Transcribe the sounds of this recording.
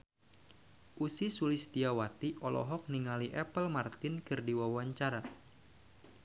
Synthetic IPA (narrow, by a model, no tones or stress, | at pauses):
ʔusisulist̪iawat̪iʔɔlɔ̰ɦɔk̚niŋaliʔɛpəlmart̪ɪnkɨrdiwawaɲt͡ʃaɾa